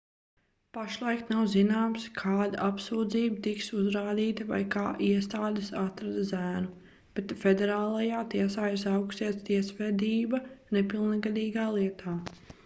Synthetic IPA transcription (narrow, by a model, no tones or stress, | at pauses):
paʃlˠajkt̪nawzinaːmskʰaːd̪aʔapsuːd̪ziːbt̪iksuzɾaːd̪iːt̪ɐva̰jkaːʔiɛst̪aːd̪ɪsat̪ɾad̪zæːnu | b̥et̪fed̪ɛɾaːlˠajaːt̪iɛsaːɪɾs̬awksiɛt̪st̪iɛsʋɛːd̪iːbɐnepilˠnɡad̪iːɡaːlˠiɛt̪ʰaː